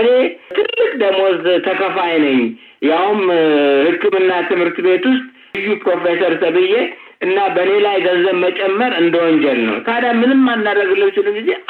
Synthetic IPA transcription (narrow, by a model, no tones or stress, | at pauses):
ɨne̞t̪ʰɨlːɨkʼd̪əɡmozt̪ʰəkʰəfajnəɲː | jawʊmhɨkːɨmɨnːat̪ʰɨmhɨɾt̪be̞t̪wʊst̪ʼ | jːupɾo̞fesəɾsəβɨjːe | ʔɨnːabəne̞lajɡəzəβmət͡ʃʼɛmːəɾɨnd̪əwɔɲd͡ʒɛlnə̰wk̪ʰad̪amːɨnɨmːanːaɾəɡɨlːəmt͡ʃɪlɨnɡize̞